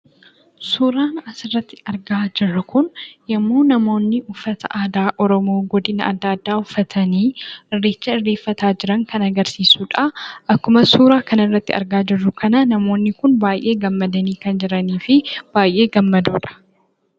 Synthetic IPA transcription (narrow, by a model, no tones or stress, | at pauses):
suːɾaːnɐsɪrːɐt̪ːɪ̥ɐɾɡaːd͡ʒɪrːɐkʊnjɐmːoːnɐmo̞ːnːɪʔʊfːɐt̪ɐ̰ʔaːd̪aːʔɔɾɔmo̞ːɡɔd̪ɪnɐɐd̪ːɐɐd̪ːaːʊfːɐt̪ʰɐniːʔɪrːeːt͡ʃːɐɪrːeːfːɐt̪aːd͡ʒɪɾɐŋkɐnɐɡɐɾsiːsuːᶑɐʔɐkːʊmɐsuːɾaːkɐnɪrːɐt̪ːɪ̰ɐ̰ɾɡaːd͡ʒɪrːʊkɐnɐnɐmo̞ːnːɪkʊnbaːjʔe̞ːɡɐmːɐd̪ɐniːkɐnd͡ʒɪɾɐniːfɪb̥aːjʔeːɡɐmːɐd̪uːᶑɐ̥